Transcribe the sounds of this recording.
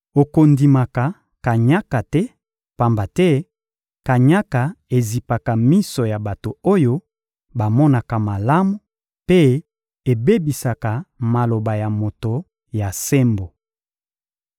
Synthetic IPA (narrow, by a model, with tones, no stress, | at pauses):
o˨ko˨ndi˨ma˨ka˨ | ka˨ɲa˦ka˨tɛ˦ | pa˨mba˨tɛ˦ | ka˨ɲa˦ka˨e˨zi˨pa˨ka˨mi˦sɔ˨ja˨ba˨to˨o˦jo˦ | ba˨mɔ˦na˨ka˨ma˨la˦mu˦ | pe˦ | e˨be˦bi˨sa˨ka˨ma˨lo˨ba˨ja˨mo˨to˨ | ja˨se˦mbo˨